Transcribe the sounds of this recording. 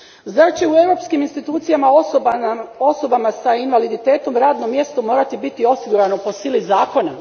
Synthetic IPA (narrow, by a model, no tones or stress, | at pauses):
zat͡ɕe̞ue̞vɾo̞ːpskiminst̪it̪uːt̪sijama | o̞so̞bamasainʋalid̪it̪e̞ːt̪o̞mɾaːd̪no̞mje̞st̪o̞mo̞ːɾat̪ibit̪io̞siɡuɾano̞po̞siːlizaːko̞na